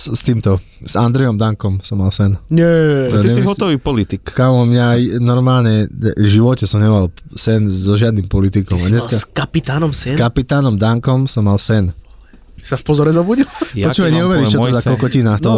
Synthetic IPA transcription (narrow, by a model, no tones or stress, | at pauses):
st̪iːmt̪ɔ | z̥and̪ɾɛjɔmd̪aŋkɔmsɔmːalsɛnɲɛɔt̪iɛiɦɔt̪ɔʋiːpɔlit̪ikkamɔmɲajnɔɾmaːlɲɛʒiʋɔcɛsɔmɲɛmalsɛnzɔʒɪad̪nimpɔlit̪ikɔmad̪ɲɛskakapit̪aːnɔmsskapit̪aːnɔmd̪aŋkɔmsɔmːalsɛn | safpɔzɔɾɛzɔbuɟilɔt͡ʃuːʋajɲɛuʋɛɾitt͡ʃɔzakɔlkɔcinaːxt̪ɔ